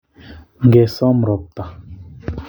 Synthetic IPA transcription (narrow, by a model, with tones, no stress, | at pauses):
ŋɡɛ˨sa˦mɾɔ˨p̚t̪a˨